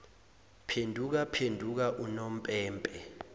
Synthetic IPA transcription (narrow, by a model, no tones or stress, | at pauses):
pʰendʱuk̬apʰendʱuk̬aʔunom̩pʼɛːmpʼɛ